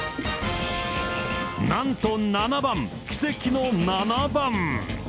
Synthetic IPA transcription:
nãnt̪onanabãŋkʲi̥se̞kʲino̞nanabãŋ

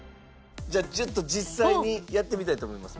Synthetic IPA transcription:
d͡ʑaːd͡ʑot̪ːo̞d͡ʑisːaiɲ̟ijat̪ːe̞mʲit̪ait̪o̞ːmo̞imasɨ̥

